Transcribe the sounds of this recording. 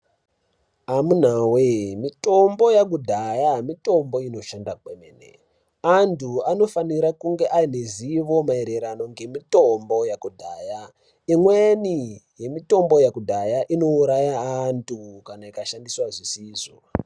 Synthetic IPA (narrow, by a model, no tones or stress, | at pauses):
amun̤awemito̞mbo̞jak̬udʱajamito̞mbo̞ino̞ʃandakwemḛnḛ | antʰuano̞faniɾakuŋɡe̞ʔaine̞ziʋo̞maeɾe̞ɾano̞ŋɡe̞mito̞mbo̞jakudʱaːja | imwenije̞mito̞mbo̞jakudʱajaʔino̞uɾajaːntʰukanaikaʃandiswaʐisiːzo